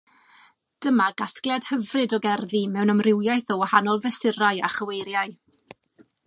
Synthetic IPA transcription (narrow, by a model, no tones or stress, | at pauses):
d̥əmaɡaθklˠɛd̥həvrɨdɔɡɛrðimɛwnəmrɪwjajθɔwahanɔlˠvəsɪɾaja̰χəwejɾjaɨ